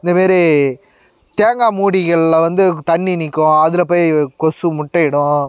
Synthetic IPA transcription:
ɪnd̪ɐmaːɾi | t̪eːŋɡaːmuːɽɪɣɐɭːʋɐnd̪ɯt̪ɐɳːinɪkːʊ̃ɐðɪlɐp̬oːjkɔsɯmʊʈːɐɪɽʊ̃

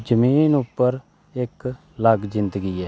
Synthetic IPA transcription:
d͡ʒəmiːnʊpːəɾ | ɪk | ləɡd͡ʒɪ̃nd̪əɡiːɛː

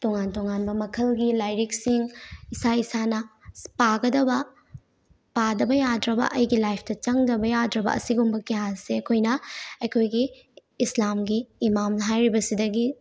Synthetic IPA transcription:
toŋantoŋanbɐmɐkʰɐlɡilajɾiksiŋisaisanɐpaɡɐdɐbɐ | padɐbɐjadɾɐbɐ̰ʔɐjɡilajp̚ʰtɐt͡ʃɐŋdɐbɐjadɾɐbɐ̰ɐsiɡumbɐkijaseɐkʰojnɐɐjkʰojɡiː | slamɡiːmamɦajɾibɐsidɐɡi

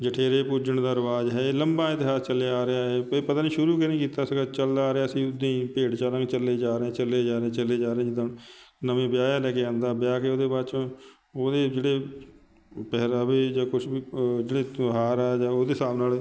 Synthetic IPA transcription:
d͡ʒəʈʰeːɾeːpʊd͡ʒəɳd̪aːəɾʋaːd͡ʒɦɛːeːləmbaːɪt̪ɪɦaːst͡ʃəlejaːɾeaːɦɛːpət̪aːniːʃʊɾuːkenĩːkiːt̪aːsəɡaːt͡ʃəld̪aːɾeaːəsĩːʊd̪ĩːpeːɽt͡ʃaːnãːkt͡ʃəleːd͡ʒaːɾeɛ̃ːt͡ʃəlːeːd͡ʒaːɾeɛ̃ːt͡ʃəleːd͡ʒaːɾẽːd͡ʒɪd̪nnəmẽːbɪjaːjaːlɛːkeãːnd̪aːbɪjaːkeːoːd̪eːbaːt͡ʃː | oːd̪eːd͡ʒeːɽeː | pɛːɾːbeːd͡ʒaːkʊʃiːd͡ʒeːɽeːɦaːɾɛːd͡ʒaːoːd̪eːsaːbnaːl

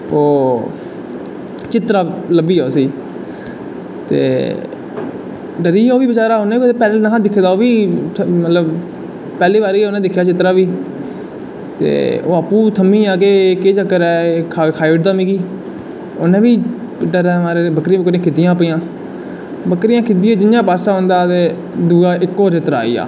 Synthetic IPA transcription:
oː | t͡ʃɪt̪ɾaːləbiːɛːsiː | t̪ḛː | ɖəɾiːoːʋiːbət͡ʃaːɾaːʊnẽːiepɛːlenaɦãːd̪ɪkʰːeːd̪aːoːʋiːmət̪ləb | pɛːliːbaːɾiːoːnẽːd̪ɪkʰːjaːt͡ʃɪt̪ɾaːʋiː | t̪ḛːo̰ːaːpːũːt̪ʰəmiːaːkeːkeːd͡ʒəkːəɾɛːkʰkʰaːiʈd̪aːmiːɡiː | onẽːʋiː | ɖəɾɛːmaːɾebəkɾiãːbəkɾɪjãːkʰɪd̪ɪjãːpːjãː | bəkɾɪjãːkʰɪd̪ɪːãːd͡ʒɪnjãːpaːsaːõːnd̪aːt̪eː | d̪uːaːʔɪkːoːd͡ʒet̪əɾa̰ːḭːa̰ː

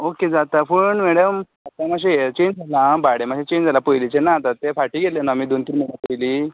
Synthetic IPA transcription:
oked͡zat̪apəɳmɛɽəm | at̪amaɕ̬ejet͡ɕend͡zalãbaɽemaɕet͡ɕend͡zalapojlit͡ɕenat̪at̪ːefaʈiːɡelenaamiːd̪ont̪inmənapəjliː

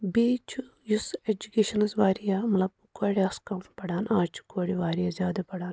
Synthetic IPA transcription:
beːt͡ʃʰu | jused͡ʒukeːʃɐnsʋaːɾijamɐtlɐb̚ | koɽʲiaskɐmpɐɽaːnaːt͡ʃʰu̥koːɽiʋaːɾijazjaːd̪ɐpɐɽaːn

